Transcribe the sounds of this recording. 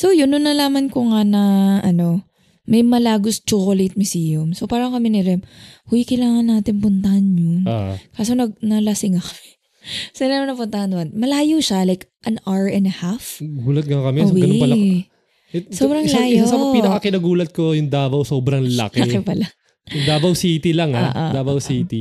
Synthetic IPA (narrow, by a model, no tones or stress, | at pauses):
so̞wjʊnʊnːɐlaːmɐnkoŋanɐʔɐno̞ | mɐjmɐlaːɡʊst͡ʃokolet̪̚mɪsijʊmsopaːɾɐkɐmɪnɪɾɛmhʊjkɐjlaːŋɐnːaːt̪ɪnpʊnt̪ɐhanɲonkaːsonɐɡ̚nɐlɐsɪŋakɐmɛ | sɐnamɐnɐpʊnt̪ɐhɐnd̪ʊɐnmɐlaːjʊʃalajkʔɐnaɹɛnd̪ɐhafɡuːlɐt̪̚ɡɐkɐmɛowɡɐnɐl | ɛsobɾɐŋlajɪoasɐmɐpinɐkɐkɪnaɡuːlɐt̪̚kojʊŋd̪aːbɐwsoːbɾɐŋlɐ̰kɛɐɛpɐla | jʊŋd̪aːbɐwsiːt̪ɪlɐŋao̰dʔo̰daːbɐwsiːt̪i